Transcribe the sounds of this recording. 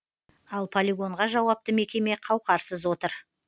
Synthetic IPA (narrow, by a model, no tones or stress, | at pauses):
ɑlˠpʰolʲiɡo̞ɴʁɑʒɑwɑp̚t̪əme̞kʲe̞me̞qʰɑwqɑɾsəzwo̞t̪əɾ